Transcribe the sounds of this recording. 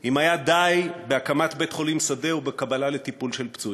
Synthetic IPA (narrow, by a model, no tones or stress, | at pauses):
ʔimajad̪ajbe̞akamat̪be̞t̪χo̞limsade̞ubekabalale̞t̪ipulʃelpt͡sui